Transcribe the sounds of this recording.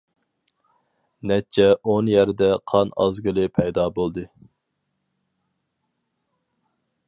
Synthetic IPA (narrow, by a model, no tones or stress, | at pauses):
nɛt͡ʃʰːɛonjæɾd̪ɛqʰɑnɑ̰zɡɨlˠɨpʰɛjd̪ɑːbolˠd̪ɨ